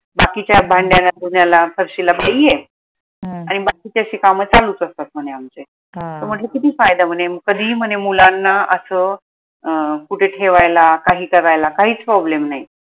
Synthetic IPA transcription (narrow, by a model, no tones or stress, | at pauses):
bakit͡ɕjabʱaɳɖjanːad̪uɳjalafəɾɕilabaije | aɽ̃ibakit͡ɕaɕiːkamət͡saluːt͡səst̪at̪̚m̤əɽ̃eamt͡se | t̪əɾm̤əʈləkit̪iːfajd̪am̤əɳeməɡ̚kːəd̪ʱiːm̤əɳemulanːaʔəsəː | kuʈʰeʈʰeʋajlakaɦiːkəɾajlakaɦiːt͡spɾɔblemnai